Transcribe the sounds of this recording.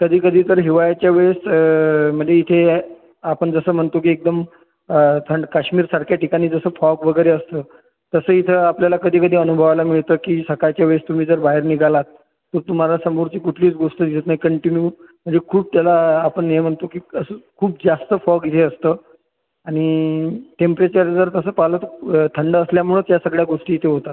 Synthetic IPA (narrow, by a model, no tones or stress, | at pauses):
kəd̪ʱiːkəd̪ʱiːt̪əɾɦiʋajat͡ɕjaʋes | m̤əd̪ʱːjeit̪ʰe | apəɳd͡zəsəːm̤əɳt̪okiːek̚d̪əm | t̪ʰəɳɖkaɕmiːɾsaɽkʰjaʈikañiːd͡zəsəːfɔɡʋəɡəjɾeəst̪əː | t̪əsəːit̪ʰəapljalakəd̪ʱiːkəd̪ʱiːənubʱəʋalamiɭt̪əːkiːsəkajt͡ɕjaʋest̪um̤iːd͡zəɾbaɦeɾniɡalat̪ː | əɾt̪um̤alasəmuɾt͡ɕiːkuʈʰliːt͡sɡoʂʈ̪əd̪iət̪naɦikəɳʈinjum̤əɳd͡zekʰuːb̚t̪jalaːpəɳem̤əɳt̪okiːəsəkʰuːb̚d͡zast̪əfɔɡit̪ʰeəst̪ə | aɽ̃iʈempɾet͡ɕəɾd͡zəɾt̪əsəːpalət̪t̪ʰəɳɖəːsljamuɭət̪jasəɡɭjaɡoʂʈiːt̪ʰeɦot̪at̪